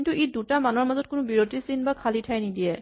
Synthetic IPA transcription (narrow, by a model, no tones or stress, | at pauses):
intuʔidutamanɔɹmazɔt̚kʊnʊbiɹotisinbakʰalitʰajnidijɛ